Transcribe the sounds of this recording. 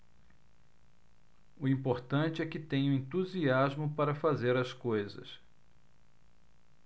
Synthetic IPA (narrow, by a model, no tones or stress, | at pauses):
ʊĩpoɾt̪ɐ̃t͡ʃɪɛkɪt̪ẽɲʊẽnt̪uziazmʊpaɾɐfazeɾɐskojzɐ̰s